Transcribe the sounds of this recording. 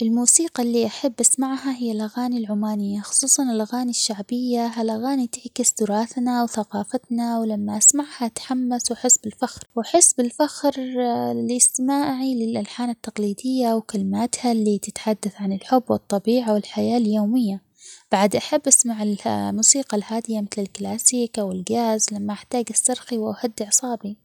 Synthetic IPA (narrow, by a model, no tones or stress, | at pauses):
ʔɪlmuːsiːqɑlːiʔaħabːʔasmaʕhaɦɪjːalʔaɣaːnilʕʊmaːnɪjːaxʊ̥sˤuːsˤɑnɪlʔaɣaːniʃːaʕbɪjːaɦalʔaɣaːnit̪ɪʕkɪst̪ʊɾɑːθnawθaqɑːfat̪nawlamːaʔasmaʕhat̪ħamːaswaħɪsbɪlfaxɾwaħɪsbɪlfaxɾlismaːʕilɪlʔalħaːnat̪ːɑqliːd̪ɪjːawkalɪmaːt̪halːit̪ɪt̪ħad̪ːaθʕanɪlħʊbːwɨt̪ˤːɑbiːʕawɪlħajaːljoːmɪjːa | b̥aʕd̪ʔaħabːʔasmaʕɪlmuːsiːqɑlhaːd̪ɪjamɪθlɪlklaːsiːkʔawɪlɡaːzlamːaʔaħt̪aːɡasːɑɾˤxiwʔahad̪ːɪʕsˤɑːbi